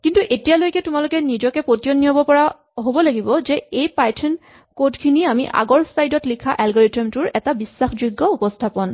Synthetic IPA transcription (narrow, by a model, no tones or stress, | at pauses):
kintuʔetijalojkɛtʊmalʊkɛnizɔkɛpotijonːiɔbɔpɔɹa | ɦobɔlaɡibɔzɛejpajtʰɔn | kodkʰiniamiʔa̰ɡɔɹsajdɔtlikʰaʔɛlɡɔɹetɔmtʊɹɛtabisːaxzuɡːɔupɔstʰapɔn